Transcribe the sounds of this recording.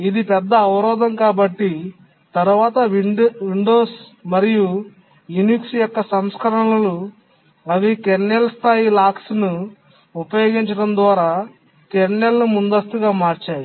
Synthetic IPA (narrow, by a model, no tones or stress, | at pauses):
id̪ipɛd̪ːɐːʋɐɾɔːd̪ʱɐmkaːbɐʈːi | t̪ɐɾuʋaːt̪ɐʋʋiɳɖo̞ːs | mɐɾiju | juniksjɔkːɐsɐmskɐɾɐɳlɐlu | ɐʋikeɳːelst̪ʰaːjilaːksnu | upɐjo̞ːɡiɲt͡ʃɐɽɐnd̪ʋaːɾaː | keɾɳelːumund̪ɐst̪uɡaːmaːɾt͡ʃaːji